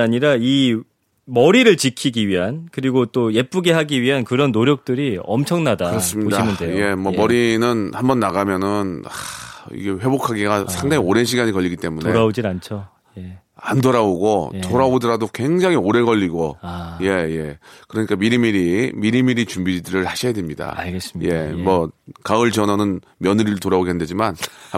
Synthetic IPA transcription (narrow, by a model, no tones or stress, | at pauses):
aɲiɾai | mʌɾiɾɯɭt͡ɕikʰiɡiɥiɦankɯɾiɡot͈oje̞p͈uɡe̞ɦaɡiɥiɦankɯɾʌnːoɾjʌk̚t͈ɯɾiʌ̰mt͡ɕʰʌŋnadaɯɾʌs͈ɯmɲioɕdainɯnde̞je̞mwʌmʌɾinɯnhambʌnːaɣamjʌnɯnaḭɡe̞ɸwe̞bokʰaɡeɡasʰaŋdaŋioɾenɕʰiɡaɲikʌʎːiɡit͈e̞munoɾaod͡ʑinant͡ɕʰo | je | andoɾaoɡotoɾaodɯɾadokwe̞ŋd͡ʑaŋioɾe̞ɡʌʎːiɡoaje̞je̞kɯɾʌɲik͈amiɾimiɾimiɾimiɾit͡ɕumbid͡ʑdɯɾɯɭaɕʰijadwemɲida̰aɡes͈je̞mʌkaɯɭd͡ʑʌnʌnɯn | mjʌnɯɾitoɾaoɡiɦanded͡ʑiman